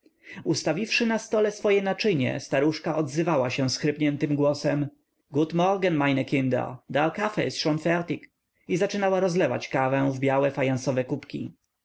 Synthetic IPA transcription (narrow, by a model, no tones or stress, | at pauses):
ust̪avʲifʂɘnast̪ɔlɛsfɔjɛnat͡ʂɘɲɛ̰st̪aɾuʂkaʔɔd̪zɘvawaɕɛ̃w̃sxɾɘpɲɛnt̪ɘmɡwɔsɛm | ɡud̪mɔɾɡanmajnɛkʲĩnd̪a̰d̪alkafɛ̰sʂɔnfɛɾt̪ik | izat͡ʂɘnawaɾɔzlɛva̰t͡ɕkavɛ̃w̃vbʲjawɛfajansɔvɛkupkʲḭ